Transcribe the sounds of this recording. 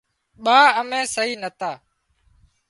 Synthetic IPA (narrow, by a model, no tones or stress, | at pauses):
ɓaːəmẽːsəɦiːnət̪aː